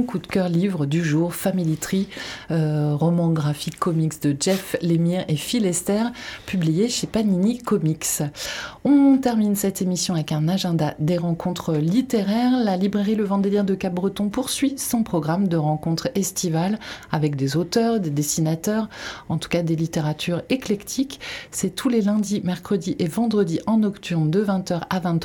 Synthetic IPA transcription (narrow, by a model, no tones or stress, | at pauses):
kud̪kʲœʁlivʁəd̪yʒuːʁfamilit̪χiøʁɔmɑ̃ɡʁafikʰːɔmiksd̪əʒɛflemiʁefilɛst̪ɛʁpyblijeʃepaninikɔmiks | ɔ̃t̪ɛʁminsɛt̪emisjɔ̃avɛkɛ̃naʒɛ̃d̪ad̪eʁɑ̃kʰɔ̃t̪χəlit̪eʁɛʁlalibʁeʁiləvɑ̃d̪elɛʁd̪əkap̚bʁət̪ɔ̃puʁsɥisɔ̃pχɔɡʁamd̪əʁɑ̃kɔ̃t̪χɛst̪ivalavɛk̚d̪ezot̪œʁd̪ed̪esinat̪œʁɑ̃t̪u̥kad̪elit̪eʁat̪ʰyʁeklɛkt̪ʰiksɛt̪ʰulelɛ̃d̪imɛʁkχəd̪iʔevɑ̃d̪ʁəd̪iʔɑ̃nɔkt̪ʰyʁnd̪əvɛ̃t̪œʁavɛ̃t̪